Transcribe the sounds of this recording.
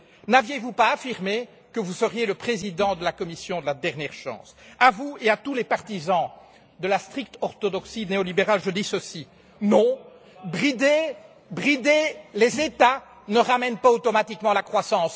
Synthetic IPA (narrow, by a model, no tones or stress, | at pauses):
navjevupaːfiʁme | kəvusəʁjeləpχezid̪ɑ̃d̪əlakɔmisjɔ̃d̪əlad̪ɛʁnjɛʁʃɑ̰̃ːsavueat̪ulɛpaʁt̪izɑ̃ | d̪əlast̪χik̚t̪ɔʁt̪ɔd̪ɔksineɔlibeʁalʒəd̪isəsi | nɔ̃ | bʁid̪e | bʁid̪elezet̪a | nəʁamɛnpaot̪ɔmat̪ikmɑ̃lakχwasɑ̃ːs